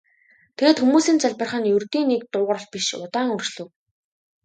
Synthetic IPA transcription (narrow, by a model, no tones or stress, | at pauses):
t̪ʰeɣeːt̪xumuːsiːnt͡saɮʲpə̆rχə̆njɵrt̪iːnek̚t̪ʊːʁə̆rə̆ɮ̚piʃʊt̪aːŋɵrt͡ɕɮɘ̆w